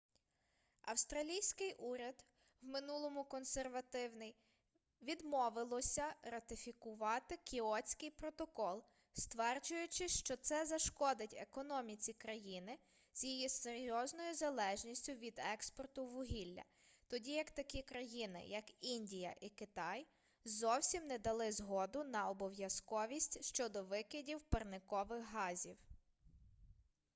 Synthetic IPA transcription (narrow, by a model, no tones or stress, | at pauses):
ɐ̰wst̪ɾɐlʲijsʲkɪjʔuɾʲɐd̪ | wmɪnulˠɔmʊkɔnserʋɐt̪ɪwnɪj | ʋʲid̪mɔʋɪlˠɔsʲɐɾɐt̪ɪfʲikʊʋɑt̪ɪkʲiɔt͡sʲkɪjpɾɔt̪ɔkɔlˠ | st̪ʋɛrd͡ʒʊjʊt͡ʃɪʃt͡ʃɔt̪sɛzɐʃkɔd̪ɪtʲḛkɔnɔmʲit͡sʲikɾɐjinɪ | z̥ʲjijiseɾʲjɔznɔjʊzɐlˠɛʒnʲisʲtʲʊʋʲid̪ɛkspɔrt̪ʊʋʊɦʲilʲːɐ̰ | t̪ɔdʲijɐkt̪ɐkʲikɾɐjinɪ̰jɐkinʲdʲijɐ̰ʔikɪt̪ɑj | zɔwsʲimnɛd̪ɐlˠɪzɦɔd̪ʊnɐɔbɔwjɐskɔʋʲisʲtʲʃt͡ʃɔd̪ɔʋɪkɪdʲiwpɐrnɪkɔʋɪxɦɑzʲiw